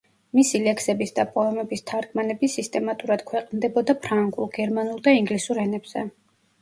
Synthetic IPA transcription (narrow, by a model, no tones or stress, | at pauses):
misilɛkʰsɛbisd̪apʼɔɛmɛbist̪ʰaɾɡʰʼmanɛbisist̪ʼɛmat̪ʼuɾad̪̥kʰwɛqʼnd̪ɛbɔd̪apʰɾaŋɡulˠɡ̥ɛɾmanulˠd̪aiŋɡlisuɾɛnɛbz̥ɛ̰